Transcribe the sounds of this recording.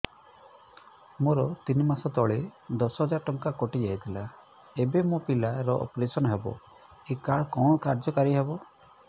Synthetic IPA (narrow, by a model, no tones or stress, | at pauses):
moɾɔt̪inimasɔt̪ɔɭed̪ɔsɔɦɔd͡ʒaɾʈɔŋkakoʈid͡ʒaɦit̪ʰila | ebemũpilaɾɔʔɔ̰pɾesɔnɔɦebɔ̰ | ekaɭkɔɽ̃ɔkaɾd͡ʒɔkaɾiɦebɔ